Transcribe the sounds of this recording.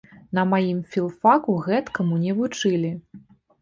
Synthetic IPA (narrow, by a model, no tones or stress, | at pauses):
nɐmajimfʲilˠfakuɣɛt̪kɐmunʲɛvut͡ʂɨlʲi